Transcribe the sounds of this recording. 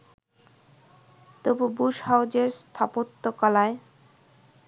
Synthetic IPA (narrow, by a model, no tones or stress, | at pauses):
t̪obubuʃhawd͡ʑeɾst̪ʰapot̪ːokalae